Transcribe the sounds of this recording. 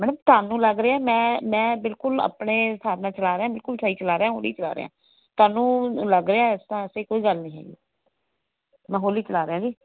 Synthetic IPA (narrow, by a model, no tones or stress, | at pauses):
mɛːnmt̪oaːnũːləɡɾeːaːmɛ̃ːmɛ̃ːbɪlkʊla̰pɳeːst̪ʰaːbnãːt͡ʃəlaːɾeãːbɪlkʊlsaːiːt͡ʃəlaːɾeãːɦo̰ːlḭːt͡ʃəla̰ːɾḛːã̰ː | t̪ʊaːnũːləɡɾeːaːst̪ãːəsekoːiːɡəlnĩːɦɛ̰ːɡḭː | mɛ̃ːɦoːliːt͡ʃəlaːɾeãːd͡ʒiː